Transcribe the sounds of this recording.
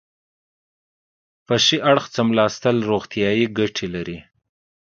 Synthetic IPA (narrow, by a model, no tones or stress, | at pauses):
paʃiʔaɽxt͡səmlɑst̪əlɾoɣt̪jɑjiɡaʈʰelaɾi